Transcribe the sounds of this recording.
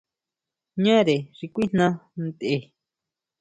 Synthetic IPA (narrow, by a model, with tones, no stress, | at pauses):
ɲã˦ɾe˨ʐi˧kʷi˦n̥nã˦nd̪ʔe˧